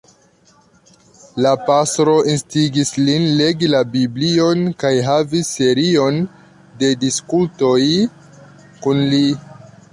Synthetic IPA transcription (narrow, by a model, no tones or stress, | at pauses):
lapastɾo̞ʔinstiɡislinle̞ɡilabiblio̞nkajɦavisːe̞ɾio̞n | de̞diskulto̞j | kunli